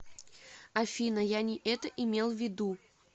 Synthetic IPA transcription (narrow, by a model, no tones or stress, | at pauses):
afʲinəjanʲiʔɛt̪əʔimʲelˠvʲɪd̪u